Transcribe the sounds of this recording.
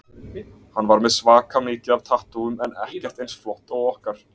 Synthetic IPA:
hanːvaɾmɛðsvaːkamɪːcɪav̥t̪ʰaht̪uʏmɛnɛ̰hcɛr̥t̪ejnsflɔht̪awɔhkaɾ̥

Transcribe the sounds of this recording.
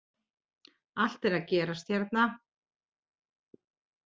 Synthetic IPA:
al̥t̪ɛɾaðcɛːɾast̪çɛɾt̪̚na

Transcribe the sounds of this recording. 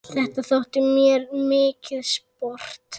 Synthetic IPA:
θɛht̪aθowht̪ɪmjɛɾmɪːcɪðspɔr̥t̪

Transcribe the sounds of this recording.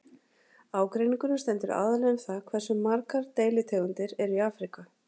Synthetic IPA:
aːwkɾejniŋkʏnʏst̪ɛnt̪ʏɾa̰ːðalɛðmθakʰvɛr̥sʏmaɾkaɾt̪eːjlɪt̪ʰeːɣʏnt̪ɪɾɛɾiaːfɾika

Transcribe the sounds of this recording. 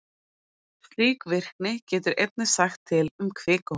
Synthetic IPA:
fliːkvɪr̥k̚nɪcɛːt̪ʏɾʔejt̪̚nɪ̥saxt̪ʰːɪlʏmkʰvɪːka

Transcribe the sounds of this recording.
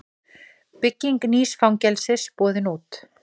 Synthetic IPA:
pɪcːiŋkniːsfawŋcɛlsɪspɔːðɪnuːt̪

